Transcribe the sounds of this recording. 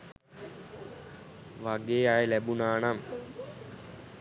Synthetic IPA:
ʋaɡeːajelæbunaːnam

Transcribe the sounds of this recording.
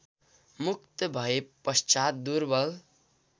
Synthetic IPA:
mukt̪ʌbʱʌepːʌst͡ʃat̪̚d̪uɾbʌl

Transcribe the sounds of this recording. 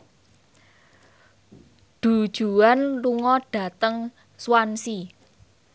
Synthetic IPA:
ɖ̪̥ṳd̥ʒ̥ṳanluŋɔɖ̥a̤t̪əŋ | swansi

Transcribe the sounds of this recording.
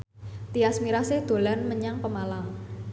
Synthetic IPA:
t̪iasmiɾasɪhd̪̥o̤lanməɲaŋpəmalaŋ

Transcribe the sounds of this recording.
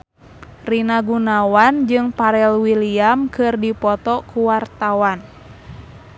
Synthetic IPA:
rinaɡunawand͡ʒɨŋpaɾɛlwiliamkɨrdipɔt̪ɔkuwart̪awan

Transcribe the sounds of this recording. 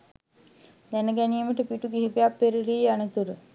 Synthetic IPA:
d̪ænəɡæniːməʈəpiʈuɡiɦipejapːeɾiɾiːanət̪uɾə

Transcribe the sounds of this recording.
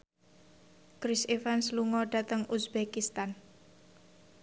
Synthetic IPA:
kɾisefansluŋɔɖ̥at̪əŋusbɛkist̪an

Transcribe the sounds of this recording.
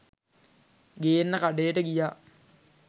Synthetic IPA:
ɡejenːəkaɖejəʈəɡijaː

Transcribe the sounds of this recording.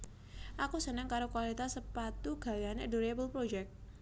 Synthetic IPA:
ʔakusənəŋkaɾokwalit̪asəpat̪uɡ̥a̤wianɛduɾebəlpɾod͡ʒɛk̚t̪̚

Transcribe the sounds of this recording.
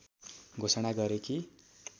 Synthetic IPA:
ɡʱosʌɽ̃aɡʌɾeki

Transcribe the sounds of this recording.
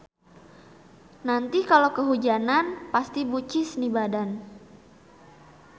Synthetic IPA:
nant̪ikalokəɦud͡ʒananpast̪ibut͡ʃɪsnibadan

